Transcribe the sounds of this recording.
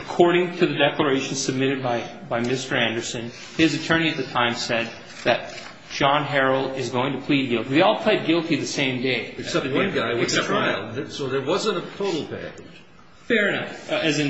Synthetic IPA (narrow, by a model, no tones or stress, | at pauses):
əkʰɔɹɾɪ̃ŋtʰɨðɨdɛklə˞eɪʃn̩sɨb̚mɪɾɨd̚baɪbaɪmɪstə˞æ̃ndə˞sɨ̃n | ɪzɨtʰɜ̃˞ɾ̃iɨt̪̚ðɨtʰãɪ̃msɛd̪̚ | ðɨt̚ | d̥ʒ̥ɑ̃nɦɛɹl̩ˠdɪzɡoʊɪ̃ŋtʰɨpʰl̥id̚ɡɪlˠtiðeɪɔlˠpʰl̥eɪd̚ɡɪlˠtiðɨsẽɪ̃mdeɪɨsʌwʌ̃nɡaɪwʌɹaɪlˠðsoʊðə˞wʌzə̃ntətʰoʊɾl̩ˠpʰæ̰kɨd̥ʒ̥ | fɛɹɨnʌfɨzɨ̃n